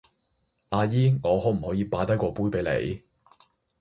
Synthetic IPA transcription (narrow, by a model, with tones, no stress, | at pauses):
ʔaː˧jiː˥ŋɔː˨˧ɦɔː˨˥m̩˨˩hɔː˨˥jiː˨˧paː˨˥t̪ɐ˥jkʷɔː˧puː˥jpe˨˥jlḛ˨˧j